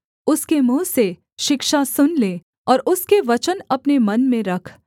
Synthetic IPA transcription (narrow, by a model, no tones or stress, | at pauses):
ʊskemũːse | ʃɪkʃasʊnleː | ɔːɾʊskeʋɐt͡ʃənɐpnemɐnmẽɾɐkʰ